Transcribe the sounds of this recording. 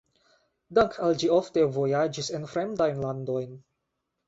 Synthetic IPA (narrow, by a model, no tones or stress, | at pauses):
daŋkʰald͡ʒiofte̞vo̞jad͡ʒisenfɾemdajnlandojn